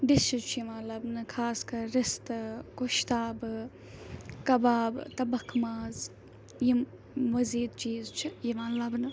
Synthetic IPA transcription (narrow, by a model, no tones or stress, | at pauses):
ɖist͡ʃʰit͡ʃʰijiʋãːlɐbnɨkʰaːskɐɾːist̪ɨkuʃt̪aːbɨ | kɐbaːbt̪ɐbɐkʰmaːz | ji | ʋɐziːd̪t͡ʃiːzt͡ʃʰijiʋãːlɐbnɨ